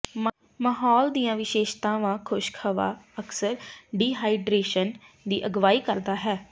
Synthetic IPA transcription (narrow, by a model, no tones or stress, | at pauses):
məɦɔːld̪iːãːʋɪʃeːʃt̪ãːʋãːkʰʊʃkʰəʋa̰ːəksəɾɖiːɦaːɪɖɾeːʃən | d̪iːʔəɡʋaːiːkəɾd̪aːɦɛː